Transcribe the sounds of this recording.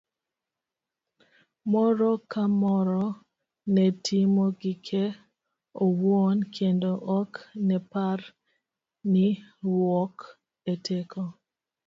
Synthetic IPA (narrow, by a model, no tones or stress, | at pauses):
mɔɾɔkamɔɾɔ | nɛtʰimoɡikʰe | owwonkʰendoʔɔknɛpar | nɪwɔk | etʰekʰo